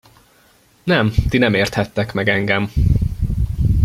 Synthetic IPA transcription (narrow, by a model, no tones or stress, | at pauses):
nɛmt̪inɛmeːrt̪hɛt̪ːɛkmɛɡɛŋɡɛm